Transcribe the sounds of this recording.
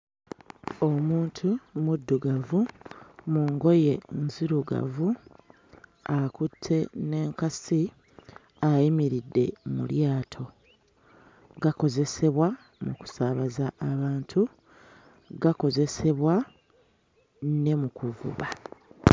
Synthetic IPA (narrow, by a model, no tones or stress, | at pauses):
o̞muːntʰumudːuɡavumuŋɡo̞je̞nziɾuɡa̰vu | akutʰːe̞ne̞ːŋkasi | ajimiɾidːe̞̰mṵljaːtʰo̞ | ɡako̞ze̞se̞βwa | muku̥saβazaʔːβaːntʰu | ɡako̞ze̞se̞βwa | ne̞mukuvṵβa